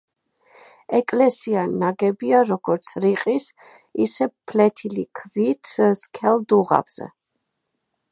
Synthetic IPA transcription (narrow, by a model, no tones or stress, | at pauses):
ɛkʼlɛsianaɡɛbiaɾɔɡɔɾt̪sʰɾiqʼis | isɛpʰlɛt̪ʰilikʰvit̪ʰskʰɛld̪uʁa̰bz̥ɛ̰